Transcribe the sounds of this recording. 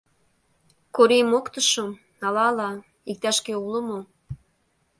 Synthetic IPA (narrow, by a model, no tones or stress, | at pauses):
koɾimokt̪əʃom | ɑlɑlɑ | ik̚t̪ɑʃkeuləmo